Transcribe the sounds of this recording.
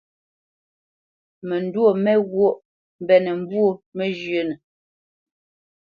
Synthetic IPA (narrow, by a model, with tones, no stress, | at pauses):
mə˨n˨dwo˦˨mɛ˦ɣwo˦ʔ | m˦bɛ˨nə˨m̩˦bwo˦mə˦d͡ʒɥə˦nə˨